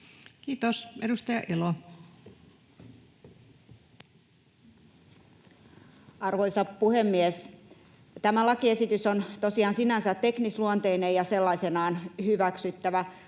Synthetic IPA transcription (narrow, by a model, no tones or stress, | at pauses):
kiːt̪osedust̪ɑjɑʔelo | ɑrʋoisɑppuhemːies | t̪æmælɑkiesit̪ysont̪osiɑːnsinænsæt̪ːeknisluont̪einejɑselːɑisenɑːnhyʋæksyt̪ːæʋæ